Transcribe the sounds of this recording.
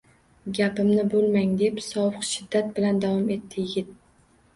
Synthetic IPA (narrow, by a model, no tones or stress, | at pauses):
ɡʲapɪmnɪbolˠmaŋd̪e̞psɒwɨqʃɪd̪ːat̪̚bɪland̪avɒme̞t̪ːɪjɪɡʲɪt̪̚